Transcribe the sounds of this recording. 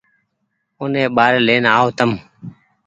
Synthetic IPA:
ʊnẽːɓaːɾeːleːnaːoːt̪əm

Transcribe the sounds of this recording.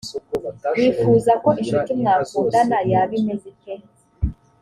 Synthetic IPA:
βiːfuːzakoʔinʃutimŋakuːdanajaβinezike

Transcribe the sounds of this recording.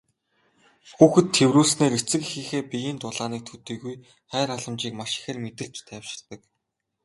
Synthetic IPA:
xuːxɘ̆t̪ʰːewruːɮsneːket͡sɘ̆kixiːxeːpijiːnt̪ʊɮaːniːk̚t̪ʰut̪iːɣuj | χæːɾaɮə̆mt͡ɕiːkmaʃɪ̥xɘ̆rmet̪ɘ̆ɬt͡ɕt̪ʰæːwʃɪ̥̆ɮt̪ə̆k

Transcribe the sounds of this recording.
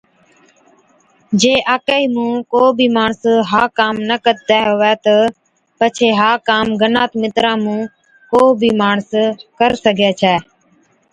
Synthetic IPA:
d͡ʒeːʔaːkəiːmũːkoːbʱiːmaːɳsɦaːkaːmnəkəɾ̚t̪ɛːɦoːʋɛːt̪ə | pət͡ʃʰeːɦaːkaːmɡənaːt̪mɪt̪ɾãːmũː | koːbʱiːmaːɳskəɾsəɡʱeːt͡ʃʰɛː

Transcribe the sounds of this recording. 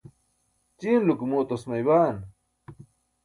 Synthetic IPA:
t͡ɕiːnlukumoːt̪osmɐjβaːn

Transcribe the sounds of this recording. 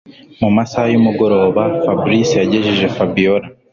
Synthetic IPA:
mumasajumuɡo̞ɾo̞ːβafabɾisijaɟe̞ʒiʒe̞fabioɾa

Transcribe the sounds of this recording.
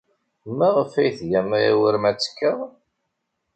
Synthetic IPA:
mːæʁəfæjθʝæmæjæwəɾmæt͡sːkːəʁˤ

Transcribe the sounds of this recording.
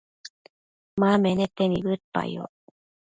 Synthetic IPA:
mamenet̪eniβɯpːa̰j̰jo̰

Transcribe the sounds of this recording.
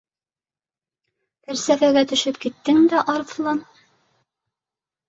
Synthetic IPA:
t̪æɾsæfæɡæt̪ɵ̆ʃɘpkit̪ːɘŋd̪æʔɑɾθlˠɑn

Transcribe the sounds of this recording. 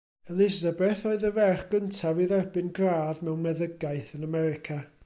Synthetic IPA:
əlˠɪzabɛθoɨðəvɛrχɡ̥əntʰaviðɛrbɪnɡraːðmɛwnmɛðəɡaɨθənamɛɾɪkʰa

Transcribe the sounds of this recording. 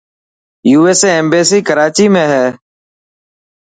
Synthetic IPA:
juːeːseːeːmbeːsiːkəɾaːt͡ʃiːmẽːɦɛː

